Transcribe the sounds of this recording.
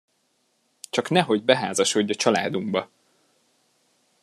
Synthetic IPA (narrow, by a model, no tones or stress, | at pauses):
t͡ʃɒknɛɦoɟbɛɦaːzɒʃo̞ɟːɒt͡ʃɒla̰ːd̪uŋbɒ